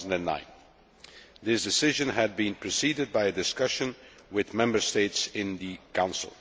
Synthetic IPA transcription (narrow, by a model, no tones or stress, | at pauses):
zn̩dæ̃nːã̰ɪ̃n | ðɪsdɪsɪʒə̃nɦɨd̚bĩnpʰɹ̥ɨsiːdɨd̚baɪɨdɪskʌʃə̃nwɪðmɛ̃mbə˞steɪtsɪ̃nðɨkãʊ̃nsəl̩ˠ